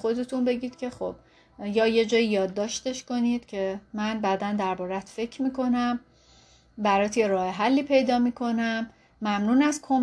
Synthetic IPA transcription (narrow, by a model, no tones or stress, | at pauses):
xo̞d̪e̞t̪ʰunbe̞ɟiːd̪̥cʰe̞xob̥̚ | jɒːje̞d͡ʒɒːjijɒːd̪ːɒːʃt̪e̞ʃko̞niːd̪̥cʰe̞mænbæd̪ænd̪æɾbɒːɾæt̪ʰfe̞cʰmiːkʰo̞næm | bæɾɒːt̪ʰjeɾɒːheɦælːiːpʰe̞jd̪ɒːmiːkʰo̞næmː | æmnuːnæskʰom